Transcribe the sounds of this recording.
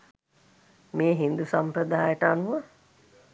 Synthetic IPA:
meːɦind̪usampɾəd̪aːjəʈəanuʋə

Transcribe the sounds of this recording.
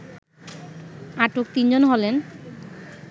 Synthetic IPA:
aʈok̚t̪ind͡ʑonɦɔlen

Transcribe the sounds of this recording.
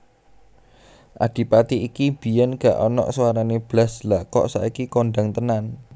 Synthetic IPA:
ʔa̰ɖ̥i̤pat̪iikib̥i̤jɛnɡ̥a̤ʔɔnɔ̰ʔswaɾaneb̥laslakɔ̰ʔsa̰ikikoɳɖaŋt̪ənan

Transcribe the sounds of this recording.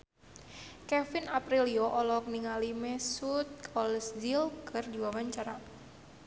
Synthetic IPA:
kɛfinapɾiliɔʔɔlɔk̚niŋalimɛsut̪̚kʰɔlɛsdilkʰɨrdiwawaɲt͡ʃaɾa

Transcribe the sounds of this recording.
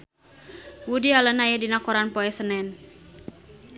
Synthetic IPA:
wudialənajedinakɔɾanpɔɛsənɛn

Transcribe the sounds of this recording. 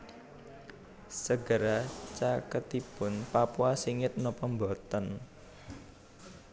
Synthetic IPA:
səɡəɾat͡ʃakət̪ipʊnpapuasiŋɪt̪̚nɔpɔmbɔt̪ən

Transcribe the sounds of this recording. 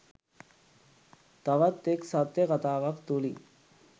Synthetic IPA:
t̪ɐʋɐt̪ːeksɐt̪jəkɐt̪aːʋɐkt̪uli

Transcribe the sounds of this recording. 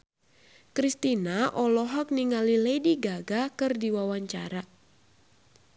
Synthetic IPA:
kɾist̪inaʔɔlɔɦɔk̚niŋalilediɡaɡakɨrdiwawaɲt͡ʃa̰ɾa

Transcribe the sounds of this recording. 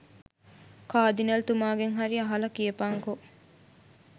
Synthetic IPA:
kaːd̪inɐlt̪umaːɡeŋɦɐɾiɐɦɐlɐkiepaːŋkoʔ

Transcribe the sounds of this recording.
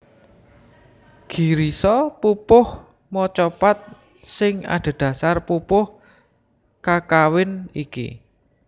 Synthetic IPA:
ɡ̥iɾisɔpupʊh | mɔt͡ʃɔpat̪̚ | sɪŋa̰ɖ̪̥a̤d̪̥ä̤sarpupʊh | kakawɪnikḭ

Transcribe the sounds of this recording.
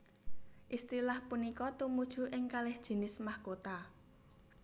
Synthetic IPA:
ʔist̪ilahpunikɔt̪umud̥ʒ̥ṳʔɪŋkalɪhd̥ʒ̥i̤nɪsmahkot̪a

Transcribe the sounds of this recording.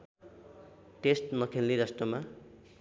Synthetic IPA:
ʈesʈnʌkʰelliɾʌsʈʌma

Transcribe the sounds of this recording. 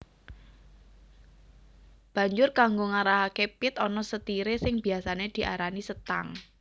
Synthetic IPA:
b̥ä̤ɲd͡ʒʊrkaŋɡoŋaɾaɦakepɪt̪ɔnɔsət̪iɾesɪŋb̥iasaned̪̥i̤ʔa̰ɾanisət̪a̰ŋ

